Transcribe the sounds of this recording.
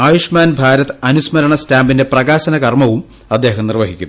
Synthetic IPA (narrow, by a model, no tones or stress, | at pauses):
aːjuʂmaːnbʱaːɾɐt̪ɨɐnusmɐɾɐɳɐstaːmbinde̞prɐɣaːɕɐnɐkɐrmɐʋum | ɐd̪ːe̞ːɦɐmnirʋɐɦikʲːum